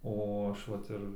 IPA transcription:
ˈoː ˈɐʃ ˈʋɐt ɪr

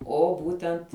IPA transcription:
oː ˈbuːtʲɛnt

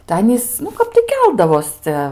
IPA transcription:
tɐɪ ˈɑːnʲiːs nʊ ˈkɐp tɐɪ ˈkʲɛlˠdɐʋoːs ˈt͡sʲɛ

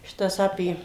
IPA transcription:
ˈʃʲɪtɐs ˈɑːpʲeː

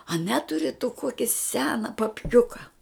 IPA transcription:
ɐ ˈnʲæːtʊrʲɪ tʊ ˈkoːkʲɪ ˈsʲæːnɐ pɐpʲˈkʲʊkɐ

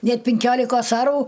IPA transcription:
ˈnʲɛt pʲɪŋʲˈkʲoːlʲɪkoːs ˈɑːruː

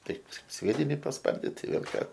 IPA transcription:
ˈtɐɪp ˈsʲʋʲiɛdʲɪnʲɪ pɐsˈpɐrʲdʲɪt tɐɪ ˈʋʲeːlˠ ˈkɑː

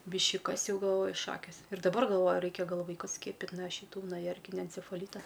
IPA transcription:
ˈbʲɪʃʲkʲɪ ˈkɐs ˈjɛʊ ɡɐlˠˈʋoːjʊ ˈʃɑːkʲeːs ɪr dɐˈbɐr ɡɐlˠˈʋoːjʊ ˈrɐɪkʲɛ ˈɡɐlˠ ˈʋɐɪkʊs ˈsʲkʲiɛpʲɪtʲ noː ʃʲɪˈtuː nuɔ ˈjɛrʲkʲɪnʲɛ ɛnʲt͡sʲɛfɐˈlʲiːtɐ

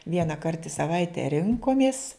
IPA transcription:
ʋʲiɛnɐˈkɐrt ɪ sɐˈʋɐɪtʲɛ ˈrʲɪŋkoːmʲɪs

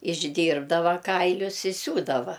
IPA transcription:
ɪʒʲˈdʲiːrbdɐʋɐ ˈkɐɪlʲʊs ɪ ˈsʲuːdɐʋɐ

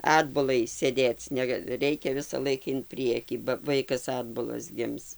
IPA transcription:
ˈɑːdbʊlˠɐɪ sʲeːˈdʲeːt͡s ˈnʲæːɡɐ ˈrʲɛɪkʲɛ ʋʲɪsɐˈlˠɐɪk ɪn ˈpʲrʲiɛkʲiː bɐ ˈʋɐɪkɐs ˈɑːdbʊlˠɐs ˈɡʲɪms

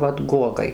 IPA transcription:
ˈʋɐt ˈɡuɔɡɐɪ

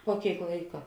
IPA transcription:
puɔ ˈkʲeːɪk ˈlˠɐɪkɐ

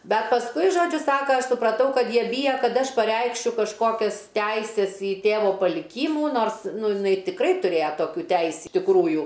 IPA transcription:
ˈbʲɛt pɐsˈkʊɪ ˈʒoːd͡ʒʲʊ ˈsɑːkɐ ˈɐʃ sʊprɐˈtɐʊ ˈkɐt ˈjiɛ ˈbʲiːjɛ ˈkɐt ˈɐʃ pɐˈrʲɛɪkʃʲʊ kɐʃˈkoːkʲɛs ˈtʲæɪsʲɛs ɪ ˈtʲeːʋoː pɐlʲɪˈkʲiːmuː ˈnoːrs ˈnʊ jɪˈnɐɪ tʲɪkˈrɐɪ tʊˈrʲeːjɛ ˈtoːkʲuː ˈtʲɛɪsʲ tʲɪkˈruːjʊ

